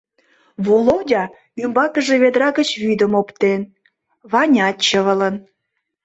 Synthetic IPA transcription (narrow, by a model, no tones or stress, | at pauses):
βulodʲɑ | ymbɑkəʒeβed̪ɾɑɣət͡ɕβyd̪əmopt̪en | βɑnʲɑt̪t͡ɕəβə̆lən